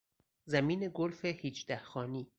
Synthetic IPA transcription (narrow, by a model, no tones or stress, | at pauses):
zæmiːne̞ɡolfehiːd͡ʒd̪æhxɒːniː